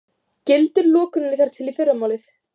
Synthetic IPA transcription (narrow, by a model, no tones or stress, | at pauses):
cɪlt̪ɪɾlɔːkʏnɪnɪθaɾ̥t̪ʰɪlifejɾamaːwlɪθ